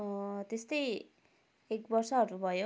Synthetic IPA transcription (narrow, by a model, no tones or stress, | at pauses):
t̪est̪ʌj | ekbʌrsʌɦʌɾubʱʌjo